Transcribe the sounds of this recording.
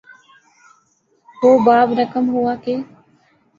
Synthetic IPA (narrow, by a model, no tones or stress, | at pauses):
ɦoːbaːbɾəkəmɦʊaːkeː